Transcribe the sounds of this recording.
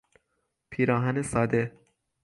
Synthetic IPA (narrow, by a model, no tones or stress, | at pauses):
pʰiːɾɒːɦænesɒːd̪e